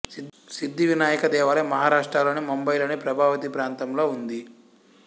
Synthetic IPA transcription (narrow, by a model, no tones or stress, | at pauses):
sid̪ːiʋinaːjɐkɐd̪ɛːʋɐɾɐmɐɦaːɾaːʂʈɾaːloːnimombɐjloːnipɾɐbʱaːʋɐt̪ipɾaːnt̪ɐmlo̞ːund̪i